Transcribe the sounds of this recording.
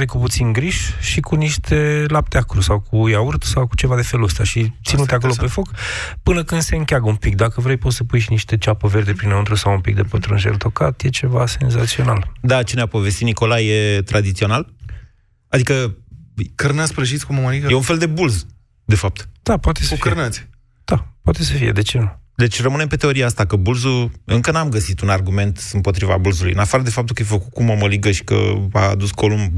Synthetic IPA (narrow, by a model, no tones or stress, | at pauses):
vejkuput̪sinɡɾiʃʃikuniʃt̪ʰe̞lap̚t̪eakɾusawkʰujaurt̪sawku̥t͡ʃe̞vad̪e̞fe̞luəst̪aʃit̪sinut̪eakolo̞pe̞fo̞kpɨnəkɨnd̪se̞ɨŋkʲaɡəumpik̚d̪akəvɾejpot̪səpujʃiniʃt̪e̞t͡ʃapəve̞rd̪e̞pɾinaɨnt̪ɾusawumpik̚d̪e̞pət̪ɾunʒḛlt̪o̞kat̪je̞t͡ʃe̞vase̞nzat̪sio̞nald̪at͡ʃeneapo̞ve̞st̪it̪niko̞lajet̪ɾad̪it̪sio̞nal | ad̪ikə | kərnat̪sʲpɾəʒit̪sʲkuməməliɡəjeunfeld̪e̞bulz | d̪e̞fap̚t̪d̪̥apwat̪esukərnat̪sʲ | d̪̥apwat̪e̞səfije̞d̪e̞t͡ʃenud̪e̞t͡ʃʲrəmɨne̞mpe̞t̪e̞o̞ɾiaast̪akəbulzuɨŋkənamɡəsit̪unarɡume̞nt̪ɨmpo̞t̪ɾiva̰bulzulujɨ̰nafaɾəd̪e̞fap̚t̪ukəjefəkut̪̚kuməməliɡəʃi̥kə̰a̰d̪usko̞lum